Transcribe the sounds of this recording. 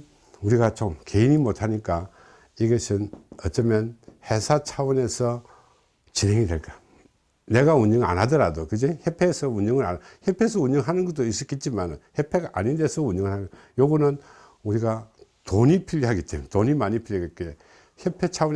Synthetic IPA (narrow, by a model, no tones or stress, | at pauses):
uɾiɡat͡ɕomke̞iɲimotʰaɲik͈a | iɡʌsʰɯnʌt͡ɕ͈ʌmjʌnhe̞sʰat͡ɕʰawʌne̞sʰʌ | t͡ɕinɦe̞ŋidwe̞ɭk͈a | ne̞ɡauɲʌŋa̰nɦadɯɾadokɯɡeçepʰesʰʌuɲʌŋɯɾa̰naçjepʰe̞s̬ʰʌuɲʌŋɦanɯnɡʌt͈̚ois͈ʌk͈et̚t͡ɕ͈imanɯ̰nçepʰeɡaʔaɲindesʰʌunʌŋɯɾhaɡ | joɡɯnɯn | uɾiɡatoɲipʰiʎːiɦaɡit͈emntoɲimaɲipʰiʎjiɡekee | çjepʰe̞t͡ɕʰawun